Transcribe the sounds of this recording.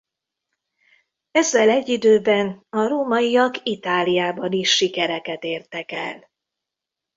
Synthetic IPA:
ɛzːɛlɛɟːid̪øːbɛnɒɾoːmɒjijɒkit̪aːlijaːbɒniʃːikɛɾɛkɛt̪eːrt̪ɛkɛ̰l

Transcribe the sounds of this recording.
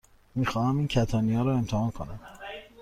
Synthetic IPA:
miːxɒːhæmiːncʰæt̪ʰɒːniɒːɾɒːe̞mt̪ʰehɒːnkʰonæm

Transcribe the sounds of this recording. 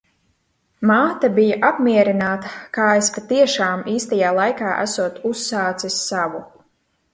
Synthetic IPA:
maːt̪abijaʔapmʲiɛɾinaːt̪ɐkaːespat̪iɛʃaːmiːst̪ajaːlˠajkaːʔæ̰suɔt̪usːaːt̪sisːavu

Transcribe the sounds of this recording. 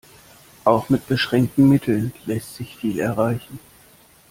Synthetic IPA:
ʔaʊxmɪt̚b̥əʃʁ̥ɛŋk̚tn̩mɪtʰl̩nlɛstz̥ɪçfiːlɛ̰ɐʁ̞aɪçn̩

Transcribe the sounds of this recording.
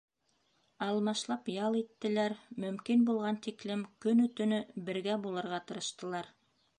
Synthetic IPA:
ɑlˠmɑʃlˠɑpjɑlˠit̪ːɘ̆læɾmɵ̆mkinbulˠʁɑnt̪iklɘmkɵnɵ̆t̪ɵ̆nɵbɘ̆ɾɡæbulˠɤ̆ɾʁɑt̪ɤ̆ɾɤ̆ʃt̪ɤ̆lˠɑɾ

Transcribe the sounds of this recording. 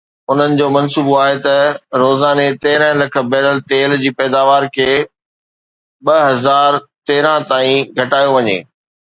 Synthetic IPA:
ʊn̤ənɪ̆d͡ʑoːmɐnsuːboaːɦet̪ɐɾoːzaːnet̪ɛːɪɾə̃ɦə̃lɐkʰə̆bɛːləlt̪eːld͡ʑiːpɛːd̪aːʋaːɾkʰeː | ɓɐɦɐzaːɾt̪eːɾãt̪aːĩɡʱɐʈaːjoʋɐɲḛː

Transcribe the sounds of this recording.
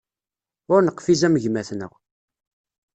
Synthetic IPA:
ʊɾnəqːfizæməʝmæθnə̰ʁ

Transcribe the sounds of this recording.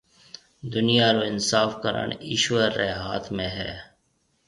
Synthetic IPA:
d̪ʊnijaːɾoɪnsaːfkəɾə̰ɳɪʃwəɾːeɦa̰ːt̪ʰmẽɦɛ̰ː

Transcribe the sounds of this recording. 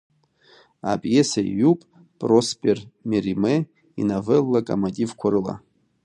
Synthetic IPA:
a̰pʼjesaḭjupʼ | pʼrospʼermirime | ḭnavelːakʼa̰matʼivkʷʰaɾɨla̰

